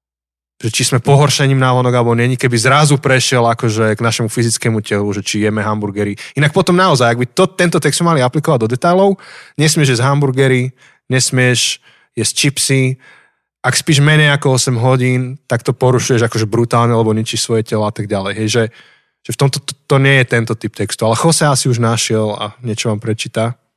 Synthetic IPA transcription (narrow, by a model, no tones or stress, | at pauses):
ʒ̥ɛt͡ʃizmɛpɔɦɔɾʃɛɲiːmnaʋɔnɔɡalɛbɔɲɪɛɲikɛbizɾazupɾɛʃɪɛlakɔʒɛɡnaʃɛmufizit͡skɛmucɛluʒɛt͡ʃijɛmɛɦambuɾɡɛɾiinak̚pɔt̪ɔmnaɔzajaɡ̚bit̪ɔt̪ɛnt̪ɔt̪ɛkz̥mɛmaliaplikɔʋaɟd̪ɔd̪ɛt̪ajlɔʊɲɛsmɪɛʒɛzɦambuɾɡɛɾi | ɲɛsmɪɛʃ | jɛst͡ʃipsi | ʔakspiːʒmɛɲɛjakɔɔsɛmɦɔɟiːnt̪akt̪ɔpɔɾuʃujɛʒakɔʒɛbɾut̪aːlɲɛalɛbɔɲit͡ʃiʃsʋɔjɛcɛlɔat̪aɡ̚ɟalɛjɦɛjʒɛ | ʒ̥ɛft̪ɔmt̪ɔt̪t̪ɔɲɪɛjɛt̪ɛnt̪ɔt̪ip̚t̪ɛkst̪ualɛxɔsɛasiuʒnaʃɪɛla̰ɲɪɛt͡ʃɔʋaːmpɾɛt͡ʃiːt̪a